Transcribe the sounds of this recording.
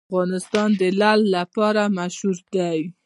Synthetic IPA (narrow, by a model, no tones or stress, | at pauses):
ɣɑnɪst̪ɑnd̪əlalːapɑɾamaʃhuɾd̪aj